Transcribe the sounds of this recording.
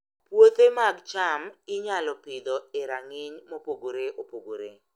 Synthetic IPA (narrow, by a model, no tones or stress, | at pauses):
pwot̪emaɡt͡ʃamɪɲalɔpɪd̪ɔɪɾaŋɪɲmopoɡoɾeʔopoɡoɾe